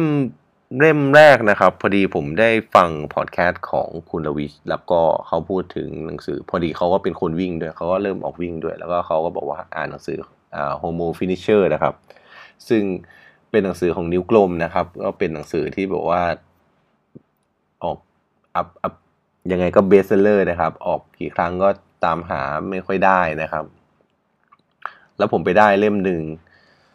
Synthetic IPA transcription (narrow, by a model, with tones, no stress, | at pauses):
e˥˩m | le˥˩mɾɛː˥˩k̚na˦˥kʰa˦˥pʰːɔː˧diː˧pʰo˩˦mda˥˩jfa˧ŋpʰɔ̰ː˨˩t̪̚kʰɛː˦˥t̪̚kʰɔ̰ː˩˦ŋkʰu˧nla˧wi˦˥t̚lɛ˦˥wkɔː˥˩kʰa˦˥wpʰuː˥˩t̪ʰːɯ˩˦ŋna˩˦ŋsɯː˩˦pʰɔː˧diː˧kʰa˦˥wkɔː˥˩pe˧nkʰo˧nwi˥˩ŋdu˥˩əjkʰa˦˥wkɔː˥˩ɾɤː˥˩mʔɔ̰ː˨˩k̚wi˥˩ŋdu˥˩əjlɛː˦˥wkɔː˥˩kʰa˦˥wkɔː˥˩bɔ̰ː˨˩k̚waː˥˩ʔa̰ː˨˩nːa˨˩˦ŋsɯː˩˦ | ʔa̰ː˨˩hoː˧moː˧fi˦˥ni˦˥t͡ɕʰɤː˥˩na˦˥kʰa˦˥p̚ | sɯ˥˩ŋ | pe˧nːa˨˩˦ŋsɯː˩˦kʰɔː˩˦ŋni˦˥wklo˧mna˦˥kʰa˦˥p̚kɔː˥˩pe˧nːa˨˩˦ŋsɯː˩˦t̪ʰiː˥˩bɛ̰ː˨˩k̚waː˥˩ | ʔɔː˨˩k̚ | ʔa˦˥p̚ʔa˦˥p̚ | ja˧ŋːa˧jkɔː˥˩beː˦˥sa˧lɤː˥˩na˦˥kʰa˦˥p̚ʔɔː˨˩k̚kiː˨˩kʰɾa˦˥ŋkɔː˥˩t̪aː˧mɦa̰ː˩˦ma˥˩jkʰɔ˥˩jdaː˥˩jna˦˥kʰa˦˥p̚ | lɛː˦˥wpʰo˩˦mpa˧jdaː˥˩jle˥˩mnɯ˨˩ŋ